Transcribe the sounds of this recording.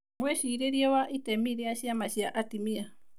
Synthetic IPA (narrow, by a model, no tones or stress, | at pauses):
mwɛʃiɾeɾiɔwaʔitɛmiɾeaʃiamaʃiaʔatimia